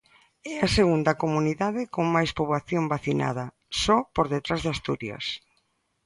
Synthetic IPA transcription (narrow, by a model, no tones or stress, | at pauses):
ɛaseɣund̪ɐkomuniðaðɪkoŋmajspoβlaθjombaθina̰ðɐ | sɔpoɾðet̪ɾazðast̪uɾjɐ̰s